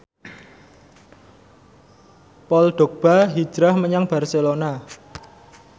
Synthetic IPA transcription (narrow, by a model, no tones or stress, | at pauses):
pɔlɖ̥o̤k̚b̥a̤ɦi̥ʒ̥ɾahməɲaŋb̥a̤rselona